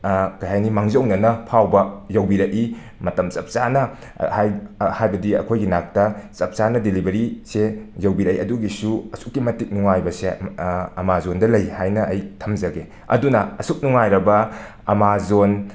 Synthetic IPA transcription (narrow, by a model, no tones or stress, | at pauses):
kɐjɦajnimaŋzɐwnɐnɐpʰawbɐjɐwbiɾɐk̚i | mɐtɐmt͡ʃɐp̚t͡ʃanɐ | hajhajbɐdiɐ̰kʰojɡinak̚tɐt͡ʃɐp̚t͡ʃanɐdilibɐɾisejɐwbiɾɐjɐduɡisuɐsuk̚ːimɐtik̚nuŋajbɐseɐmazondɐlɐjhajnɐʔɐjtʰɐmd͡ʒɐɡe | ɐ̰dunɐɐsuk̚nuŋajɾɐbɐ | ɐmazon